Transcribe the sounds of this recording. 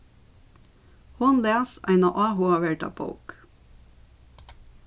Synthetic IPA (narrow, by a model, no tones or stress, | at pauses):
hʊnlæːsæ̰ɪnɑ̰ʔɑːɦuɑʋɛʈɑ̰bo̰ʊk